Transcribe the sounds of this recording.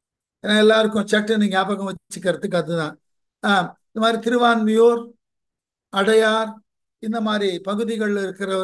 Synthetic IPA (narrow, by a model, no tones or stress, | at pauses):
ɛnːaːɛlːaːɾɯkːʊ̃t͡ʃɐʈːniːŋɡɐjaːpɐɣɐ̃ʋɐt͡ʃːt͡ʃːɯkːɪɾɐt̪ːɯk̬ːɯɐðɯðãː | ɪnd̪ɐmaːd̪ɾit̪ɪɾɯʋaːnmɪjoːɾ | ɐɽɐjaːɾ | ɪnd̪ɐmaːd̪ɾipɐɣɯðɪɣɐɭɪɾɯkːɪɾɐɐ